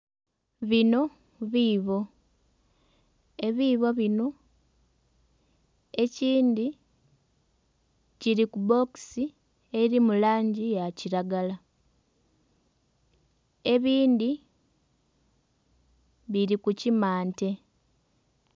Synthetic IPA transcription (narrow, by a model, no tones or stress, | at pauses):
βino̞ | βiːβo̞ | e̞βiːβo̞βino̞ | e̞ciːndi | ciɾikubo̞ksi | eɾimulaːɲɟijaciɾaɡala | e̞βiːndi | βiɾikucimaːnte̞